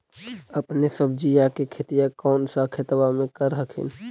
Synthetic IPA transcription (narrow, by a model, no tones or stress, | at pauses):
əpnesəbʱd͡ʒijakekʰet̪ijakɔːnsakʰet̪bamẽkəɾɦəkʰḭn